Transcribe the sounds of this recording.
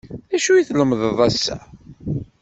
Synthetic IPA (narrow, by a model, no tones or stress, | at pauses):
æʃujiθləmðəðˤæsːæ̰